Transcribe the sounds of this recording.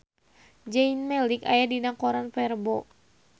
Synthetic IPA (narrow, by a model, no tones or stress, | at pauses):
d͡ʒɛinmɛlika̰jadinakɔɾanfɛrbɔ